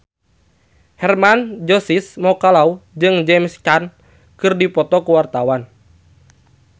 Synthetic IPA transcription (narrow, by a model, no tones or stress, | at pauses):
hɛrmand͡ʒɔsismɔkalaud͡ʒɨŋd͡ʒɛmskan | kɨrdipɔt̪ɔkuwart̪awan